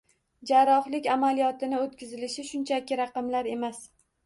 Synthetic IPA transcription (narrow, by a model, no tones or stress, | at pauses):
d͡ʒaɾɒχlɪkʲamalijɒt̪ʰɪnɪot̪kʲɪzɪlɪʃɪʃʊnt͡ʃʰakʲɪɾɑqɨmlaɾe̞mas